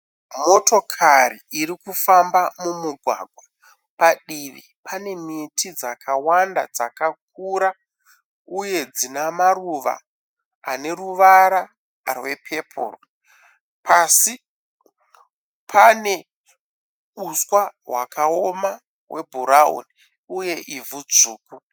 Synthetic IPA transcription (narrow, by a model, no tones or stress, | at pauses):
mo̞to̞kʰariiɾikufambamumuɡʱwa̰ɡʱwa | paɗiʋḭ | pane̞mitid͡zakʰawanda̰d͡zakak̚uɾa | uje̞d͡zinamaruʋa̰ː | ne̞ruʋaɾa | rwe̞pʰe̞pʰo̰ːro̰ | pʰasi | pʰane̞ | uswaɦwa̰kao̞ma | wʔe̞̰bʱuɾaṵni | uje̞ʔivud͡zuːku